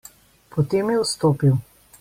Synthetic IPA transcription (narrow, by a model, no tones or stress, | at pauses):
pɔt̪eːmjɛwst̪oːpiw